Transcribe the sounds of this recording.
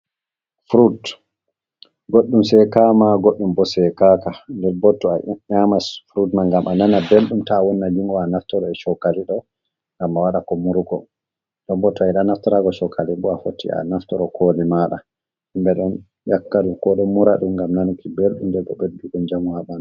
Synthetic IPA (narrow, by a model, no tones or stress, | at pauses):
fɾud | ɡoɗːumsɛkamaɡoɗːumbɔsɛkakandɛɾbɔtːɔaɲamasfɾudmaŋɡamʔananabelɗumtawɔnːad͡ʒuŋɡɔanaftɔɾɔɛʃɔkaliɗɔ | ŋɡamːawaɗakɔmuɾuɡɔ | ɗɔmbɔtːɔajɗanaftɔɾaɡɔʃɔkʰalibɔafotːḭa̰naftɔɾɔkʰolɛmaɗa̰ | ʔimbɛɗɔn | jakːadukɔɗɔmuɾaɗumɡamnanukibelɗumdɛɡɔɓeduɗɔnd͡ʒamuhaɓan